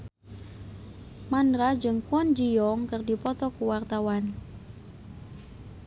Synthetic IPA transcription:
manɾad͡ʒɨŋkuɔnd͡ʒijɔŋkɨrdipɔt̪ɔkuwart̪awan

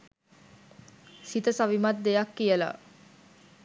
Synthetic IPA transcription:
sit̪əsaʋimat̪̚d̪ejakːijəla̰

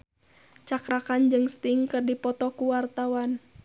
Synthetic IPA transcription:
t͡ʃakɾakand͡ʒɨŋst̪iŋkɨrdipɔt̪ɔkuwart̪awan

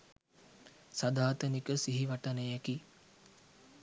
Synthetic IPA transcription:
sad̪aːt̪ənikəsiɦiʋaʈənəjæki

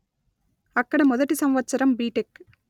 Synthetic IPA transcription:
ɐkːɐɽɐmɔðɐʈːisɐmʋɐtsɐɾɐmbiːʈɪk

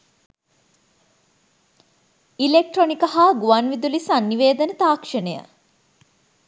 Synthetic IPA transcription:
ilek̚ʈronikɐɦaːɡuʋanʋid̪ulisanːiʋeːd̪ənət̪aːkʂənejə̰

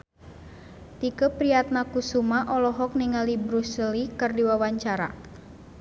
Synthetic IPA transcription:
t̪ikəpɾijat̪̚nakusumaʔɔlɔɦɔk̚niŋalibɾusəlikɨrdiwawaɲt͡ʃaɾa̰

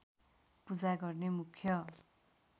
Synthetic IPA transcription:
pud͡zaɡʌrnemukʰjʌ

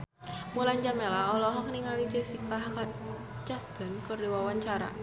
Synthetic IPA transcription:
mulaɲd͡ʒamɛlaɔlɔɦɔk̚niŋalid͡ʒɛsikaɦakat̪̚ | d͡ʒast̪ɔnkɨrdiwawaɲt͡ʃaɾa̰

